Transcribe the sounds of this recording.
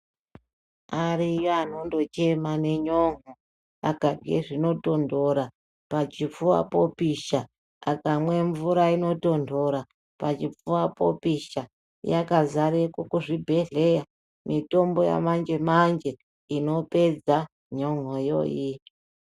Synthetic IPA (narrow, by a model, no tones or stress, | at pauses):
arijoano̞ndo̞t͡ʃe̞mane̞ɲoŋo | a̰kavɡḛʐino̞to̞ndo̞ɾa | pat͡ʃip͡fuwa̰po̞piʃa | akamwe̞ɱvuɾaino̞to̞ndo̞ɾa | pat͡ʃip͡fuwapo̞̰piʃa | jakazaɾekokuʐibʱe̞ɮe̞ja | mito̞mbo̞ja̰mand͡ʒe̞mand͡ʒe̞ | ino̞pe̞d͡za | ɲo̞ŋojo̰ji